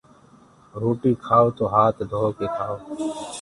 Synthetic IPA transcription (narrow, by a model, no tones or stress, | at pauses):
ɾoːʈiːkʰaːoːt̪oːɦaːt̪d̪ʱoːokeːt̪ʰaːoː